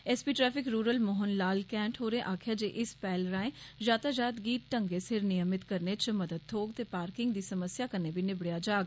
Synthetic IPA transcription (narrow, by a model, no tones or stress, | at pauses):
ɛspiːʈɾɛːpʰɪkɾuːɾəlmoɦənlaːlkɛ̃ːɳʈɦoːɾẽːʔaːkʰɪjaːd͡ʒeːʔɪspɛːlɾãːẽːd͡ʒaːt̪aːd͡ʒaːt̪ɡiːʈ̚ʈəŋɡeːsɪɾnɪjəmɪt̪kəɾneːt͡ʃməd̪əd̪̚t̪ʰoːɡt̪eːpaːɾkɪŋɡd̪iːsəməsjaːkəneːbiːnɪbɽɪjaːd͡ʒaːɡ